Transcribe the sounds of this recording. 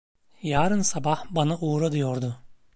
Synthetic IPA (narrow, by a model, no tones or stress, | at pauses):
jaːɾɯnsabahbanaʔuːɾad̪ɯjoɾd̪ʊ